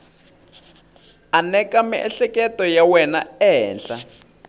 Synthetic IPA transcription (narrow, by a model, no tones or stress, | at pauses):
anɛkamiʔɛ̰ɬɛkʼɛtɔjawɛnaɛːnɬa̰